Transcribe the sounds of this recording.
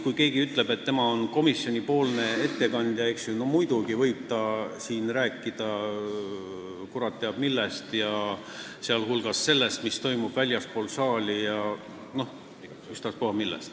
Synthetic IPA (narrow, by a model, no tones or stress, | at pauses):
kujke̞ːɡiyt̪ˑle̞bet̪ːe̞mɑo̞nko̞misːjo̞nʲipo̞ːlne̞e̞t̪ːe̞kɑnd̪ʲjɑeksjuno̞mujd̪̥uɡivɤjb̥̚t̪ɑsiːnræːkːˑid̪̥ɑ | kuɾɑt̪ːeɑb̥milːest̪jɑ | seɑlɦulɡ̥ɑsːe̞lːe̞st̪mist̪o̞jmub̥vælʲjɑspo̞ːlsɑːlʲijɑ | no̞h | yst̪ɑspohɑmilːḛst̪